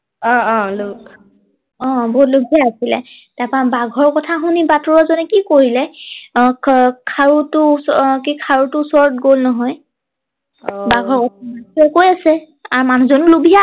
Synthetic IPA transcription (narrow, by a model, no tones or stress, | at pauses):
ɔ̃luk | ɔ̃bɔɦutluɡʱijaːsilɛ̰taɹpabaɡʱɔɹkɔtʰaxunibatɔɹazɔnɛkikoɹilɛ | kʰaɹutʊsɔkikʰaɹutʊːsɔɹɔt̚ɡolnɔɦɔj | baɡʱɔɹkɔtʰabatɛkojasɛ | aɹmanuzɔnulubʱija